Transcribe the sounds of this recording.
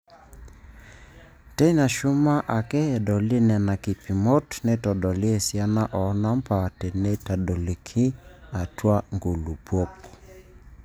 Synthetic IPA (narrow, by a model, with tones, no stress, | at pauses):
tɛ˦i˦na˨ʃu˦ma˦ʔa˨kɛ˦ɛ˨ɗɔ˨li˦nɛ˨na˨ki˨pi˨mɔ˦tnɛ˦tɔ˨ɗɔ˨li˦ɛ˨sia˦na˦ʔɔ˨˦na˦m̩˦pa˨tɛ˨nɛ˦ta˨ɗɔ˨li˨kʰi˦a˨twa˦ŋɡu˨lu˨pɔ˦p